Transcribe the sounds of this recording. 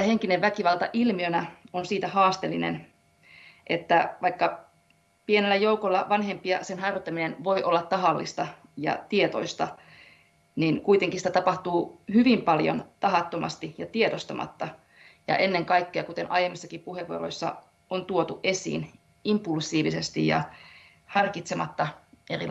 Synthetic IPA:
æheŋkineʋːækiʋɑlˠt̪ɑ̰ʔilmiønæonsiːt̪æhɑːst̪elːinḛn | ʔet̪ːæʋɑikːɑ | pienelːæjoukolːɑʋɑnhempiɑ̰senɦɑrot̪ːæminenʋo̞iʔo̞lːɑt̪t̪ːɑɦɑlːḭst̪ɑ | jɑ̰t̪iet̪o̞̰ist̪ɑ̰ | ninkuit̪eŋkisit̪æt̪ɑpɑht̪uːhyʋimpɑljo̰nt̪ɑɦɑt̪ːomɑ̰st̪ijɑt̪iet̪ost̪ɑmʔɑ̰t̪ːɑ | jɑ̰ʔenːeŋkɑikːeɑkut̪enʔɑjemːisːɑkipuheʋːo̰ro̰isːɑ̰ | ont̪uot̪uʔʔesḭːn | impulsˑiːʋisest̪ijɑ̰ | hɑrkit̪semɑt̪ːɑeri

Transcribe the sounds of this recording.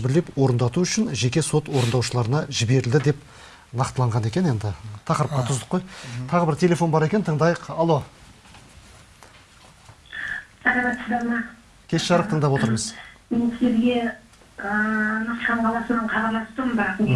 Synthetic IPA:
bɪɾle̞pwo̞ɾənd̪ɑt̪uʏʃɪnʒe̞kʲe̞so̞t̪wo̞ɾənd̪ɑwʃəlˠɑɾənɑʒɪbe̞ɾɪld̪ɪd̪e̞p̚ | nɑqt̪əlˠɑɴʁɑne̞kʲe̞ne̞nd̪ɪt̪ʰɑqəɾəp̚qɑt̪ʰʊzd̪ə̥qːojt̪ʰɑʁəbɪɾt̪ʲʰe̞lʲe̞fo̞nbɑɾe̞kʲent̪ʰəɴd̪ɑjəqɑlˠo̞ | sɑɾɑbɑt̪səd̪ɑmɑ | kʲʰe̞sʃɑɾəq̚t̪ʰəɴd̪ɑpwo̞t̪əɾməzmensɪzeɾɡʲe̞ | ənɑq̪qɑɴqʰɑlˠɑsənəɴqʰɑt̪ɑlˠɑst̪əmbɑq

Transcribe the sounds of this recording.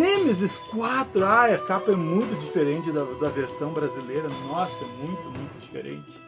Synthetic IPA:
nẽmɪzɪskwat̪ɾʊajɐkapɐɛmũj̃t̪ʊd͡ʒifeɾẽnt͡ʃɪd̪ɐd̪ɐveɾsɐ̃w̃bɾazilejɾɐnɔsɐɛmũj̃t̪ʊmũj̃t̪ʊd͡ʒifḛɾḛ̃nt͡ʃɪ̥

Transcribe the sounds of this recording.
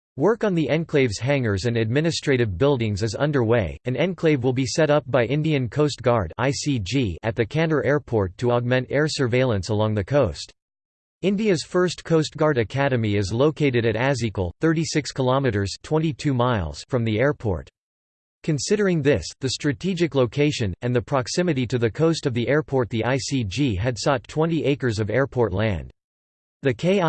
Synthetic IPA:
wɜ˞kn̩ðiʔɛ̃nkʰl̥eɪvz̥ɦæ̃ŋə˞zɨ̃nɨd̚mɪ̃ñɨstɹ̥eɪɾɨvbɪlˠdɪ̃ŋzɨzʌ̰̃ndə˞weɪɨ̃nɛ̃nkʰl̥eɪvwəlˠbisɛɾʌp̚b̥aɪʔɪ̃ndiɨ̃nkʰoʊst̚ɡ̥ɑɹɾaɪsid͡ʒiɨ̰t̪̚ðɨkʰæ̃ñə˞ʔɛɹpʰɔɹtʰəɑɡ̚mɛ̃ntɛɹsə˞veɪlˠə̃nsəlɔ̃ŋðɨkʰoʊst | ɪ̃ndiɨz̥fɜ˞stkʰoʊst̚ɡ̥ɑɹɾɨkʰæɾɨmiɪzloʊkʰeɪɾɨɾɨɾæzikl̩ˠθɜ˞ɾisɪkskʰəlɑmɨɾə˞z̥tʰw̥ɛ̃nɾ̃itʰʉmaɪlˠz̥fɹʌ̃mðiɛɹpʰɔ̰ɹt | kʰɨ̃nsɪɾə˞ɪ̃ŋðɪsðɨstɹ̥ɨtʰid͡ʒɨkloʊkʰeɪʃɨ̃nɨ̃nðɨpʰɹ̥ɑksɪ̃mɨɾiɾɨðɨkʰoʊstʌvðiʔɛɹpʰɔɹt̪̚ðiʔaɪsid͡ʒiɨd̥sɔtʰw̥ɛ̃ñtiʔeɪkə˞zʌvɛɹpʰɔɹtˡlæ̰̃nd̥ | ðɨkʰeɪ

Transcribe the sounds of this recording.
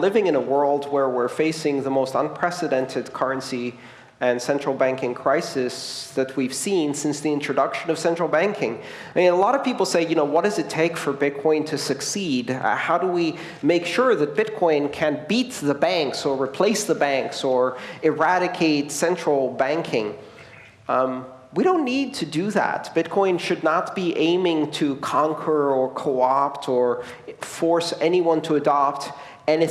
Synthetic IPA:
lɪvɪ̃ŋɨ̃nəwɜ˞lˠd̚wə˞wɪɹfeɪsɪ̃ŋðəmoʊstə̰̃npʰɹ̥ɛsɨɾɛ̃ntʰɨd̚kʰʌ˞ɨ̃nsi | ɨ̃nsɛ̃nt͡ʃɹ̥l̩ˠbæ̃ŋkɪ̃ŋkʰɹ̥aɪsɪsðɨt̚wiv̥sĩnsɪ̃nsðiɪ̃nt͡ʃɹ̥ɨdʌkʃɨ̃nʌv̥sɛ̃nt͡ʃɹ̥l̩ˠbæ̃ŋkʰɪ̃ŋɨmĩnəlɑɾʌv̥pipl̩ˠseɪjɨnoʊwʌt̚d̥ʌzɨtʰeɪkfə˞bɪt̚kʰɔ̃ɪ̃ntʰɨsɨksid̰haʊɾəwi | meɪkʃʊɹðɨt̚b̥ɪt̚kʰɔ̃ɪ̃nkʰɨ̃nb̥it̪̚ðɨbæ̃ŋksə˞ɹɨpʰl̥eɪsðəbæ̃ŋksə˞ɨɹæɾɨkʰeɪtsɛ̃nt͡ʃɹ̥l̩ˠbæ̃ŋkʰɪ̃ŋ | wiɾõʊ̃nːid̚tʰɨdɨðæ̰t̚b̥ɪt̚kʰɔ̃ɪ̃nʃɨdⁿnət̚b̥iʔẽɪ̃mɪ̃ŋtʰɨkʰɑ̃ŋkʰə˞ə˞kʰoʊɑptʰə˞ | fɔɹsɛniwʌ̃ntʰəɨdɑp̚t | ɨ̃nɨ

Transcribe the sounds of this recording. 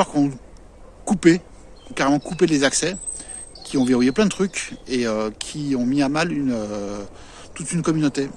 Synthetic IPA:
ɔʁkɔ̃ | kupe | ɔ̃kaʁemɑ̃kupelezaksɛ | kʲʰiɔ̃veʁujeplɛ̃d̪ət̪χykʲeøkʲʰiɔ̃miamalynø | t̪ut̪ynkɔmynot̪e

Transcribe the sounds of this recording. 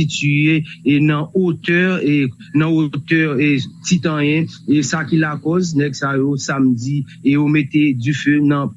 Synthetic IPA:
ityenɐ̃ot̪ɛʁ | nɐ̃ot̪ɛʁtit̪ɐ̃jɛ̃esakilakɔznɛɡsajosamd͡zi | omet̪edyfønɐ̃

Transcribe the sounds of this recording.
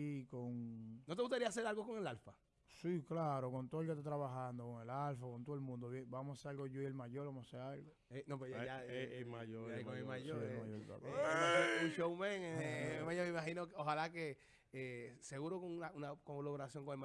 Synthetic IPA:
ikoŋnot̪eɣust̪aɾias̬eɾalɣokoŋe̞lalfa | siklaɾoko̞nt̪oðeket̪at̪̬ɾaβaɦand̪okoŋe̞lalfakont̪oðemũnd̪oβjeŋbamosaseɾalɡoʝoielmaʝo̞ɾβamosaseɾalɡo | enõp̬ejaeemaʝoɾkoŋelmajoemajopa̰toounʃowmẽŋeemajomimaɦinokoɦalake | eseɣuɾokoŋunaunakoloβoɾasjo̞ŋkoŋelm

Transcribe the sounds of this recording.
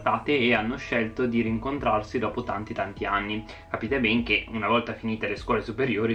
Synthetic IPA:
t̪aːt̪eːanːoʃelt̪od̪iɾiŋkont̪ɾarsid̪ɔːpot̪ant̪it̪ant̪ianːi | kapiːt̪ebɛŋk̟eunavɔlt̪afiniːt̪eleskwɔːlesupeɾjoːɾi

